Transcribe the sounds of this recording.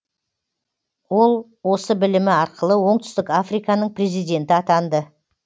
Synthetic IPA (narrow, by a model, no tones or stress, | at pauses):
wo̞lˠ | wo̞səbɪlɪmɪɑɾqʰəlˠəwo̞ɴt̪ʏ̥st̪ɪkafrijkɑnəɴpre̞zijd̪ʲe̞nt̪ɪɑt̪ɑnd̪ə